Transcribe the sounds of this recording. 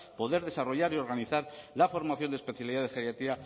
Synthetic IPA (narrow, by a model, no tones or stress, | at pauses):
po̞ðe̞ɾðe̞saro̞ʝaɾio̞ɾɣ̞aniθaɾlafo̞ɾmaθjo̞nd̪e̞spe̞θjaliðaðexeɾjat̪ia